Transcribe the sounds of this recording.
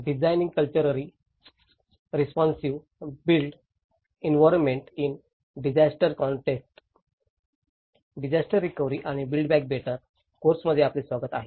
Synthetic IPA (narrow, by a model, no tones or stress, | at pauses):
ɖid͡ʑajnĩŋɡ̚kəlt͡ɕəɾəɾi | ɾispɔnsiʋ | bilɖ | enʋɔɾənmːeɳʈin | ɖid͡ʑasʈəɾkɔɳʈeksʈ | ɖid͡ʑasʈəɾːikəʋɾiʔaɽ̃ibilɖbɛk̚beʈəɾ | koɾsməd̪ʱːjeaplisʋaɡət̪a̰ɦe